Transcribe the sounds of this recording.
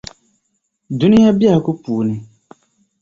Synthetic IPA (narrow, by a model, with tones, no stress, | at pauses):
du˦ni˦a˦bi˦a˦˨lku˦puː˨ni˨